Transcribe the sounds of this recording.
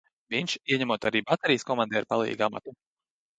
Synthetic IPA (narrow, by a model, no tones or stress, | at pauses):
vʲinʲt͡ʃiɛɲæmuɔt̪aɾiːbat̪eɾijəskɔmand̪ɛaɾpalˠḭːɡama̰t̪u